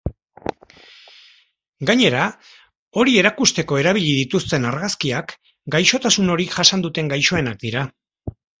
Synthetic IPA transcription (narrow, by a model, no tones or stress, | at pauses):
ɡaɲe̞ɾa | o̞ɾie̞ɾakust̪e̞ko̞e̞ɾaβ̞iʎiðit̪ust̪e̞naɾɣaskiak | ɡajʃo̞t̪asuno̞ɾiʝasand̪ut̪e̞ŋɡajʃo̞e̞nak̚d̪iɾa